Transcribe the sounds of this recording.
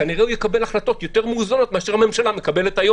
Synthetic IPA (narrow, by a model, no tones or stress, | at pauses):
kaniʁeujekabe̞laχlato̞t̪jo̞t̪e̞ʁmeuzano̞t̪̚meaʃeʁame̞mʃalame̞kabe̞let̪ajo